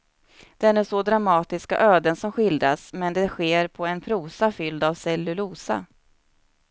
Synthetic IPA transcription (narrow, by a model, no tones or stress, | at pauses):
d̪̥ɛnæʂɔd̪ɾamɑːt̪ɪska̰ʔøːd̪ənsɔmɧɪld̪ɾasmɛnd̪ɛɧeːɾpʰɔɛnpʰɾuːsafʏld̪avsɛjlɵluːsa̰